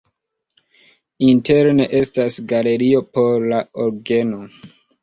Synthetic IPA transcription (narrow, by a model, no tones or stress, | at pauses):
inte̞ɾne̞ʔe̞stasɡale̞ɾio̞po̞ɾlaoɾɡe̞no̞